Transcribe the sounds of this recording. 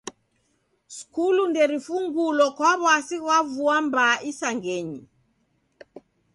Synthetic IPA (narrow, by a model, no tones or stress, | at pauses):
skulundɛɾifuŋɡulɔkwaβwasiɣwavuambaʔisaŋɡɛɲi